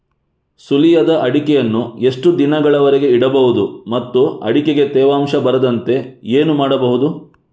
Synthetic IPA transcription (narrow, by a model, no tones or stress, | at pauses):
sulijɐd̪ɐʔɐɽikɛjɐnːue̞ʂʈud̪inɐɡɐɭɐʋɐɾeɡe̞iɽɐbɐɦud̪umɐt̪ːuɐ̰ɽikeɡe̞t̪ɛːʋaːmʃɐbɐɾɐd̪ɐnt̪e̞eːnumaːɽɐbɐɦud̪u